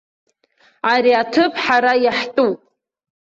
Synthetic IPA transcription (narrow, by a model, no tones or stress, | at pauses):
aɾiatʰɨpʰʼħaɾajaħtʼupʼ